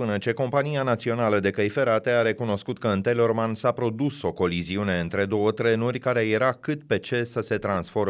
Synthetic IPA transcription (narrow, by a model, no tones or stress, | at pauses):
pɨnət͡ʃe̞ko̞mpanianat̪sio̞naləd̪e̞kəjfe̞ɾat̪e̞aɾe̞kuno̞skut̪kəɨnt̪e̞lo̞rmansapɾo̞d̪uso̞ko̞liziune̞ɨnt̪ɾe̞d̪o̞wət̪ɾe̞nurʲkaɾe̞je̞ɾakɨt̪pe̞t͡ʃe̞səse̞t̪ɾansfo̞ɾ